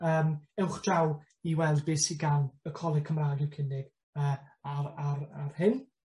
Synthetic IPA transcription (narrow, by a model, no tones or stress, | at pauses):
əːmɛwχd̥raw | iwɛlˠd̚bɪːsiɡawnəkʰɔlˠɪ̥kʰəmraːɡɪkʰɪnɪɡ̥ | əːaɾaɾarhɪn